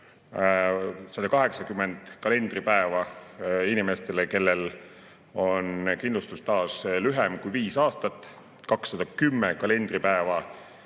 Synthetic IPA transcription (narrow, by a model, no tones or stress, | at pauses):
sɑd̪̥ɑkɑɦe̞ksɑkymːe̞nd̪̥kɑle̞nd̪̥ripæevɑinime̞st̪e̞leke̞lːel | o̞nkind̪lust̪ust̪ɑːslyɦemkujviːsɑːst̪ɑt̪ːˑ | kɑksːɑd̪̥ɑkymːekɑle̞nd̪ripæevɑ